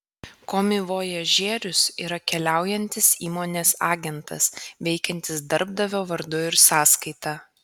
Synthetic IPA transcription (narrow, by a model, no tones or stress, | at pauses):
koːmʲɪʋoːjɛʒʲeːɾʲʊsiːɾɐkʲɛlʲæˑʊjɛnʲt̪ʲɪsiːmoːnʲeːsɑːɡʲɛnt̪ɐ̰sʋʲɛɪkʲɛnʲt̪ʲɪsd̪ɐɾb̚d̪ɐʋʲoːʋɐɾd̪ʊɪɾsɑːskɐɪt̪ɑː